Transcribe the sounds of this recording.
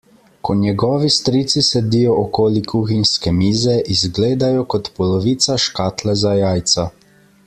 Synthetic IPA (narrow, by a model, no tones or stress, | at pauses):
kʰɔnjɛɡɔːʋist̪ɾit̪sisɛd̪ijɔʔɔkoːlikʰuːxinskɛmiːzɛʔizɡleːd̪ajɔkɔt̪pɔlɔʋiːt̪saʃkaːt̪lɛzajaːjt̪sa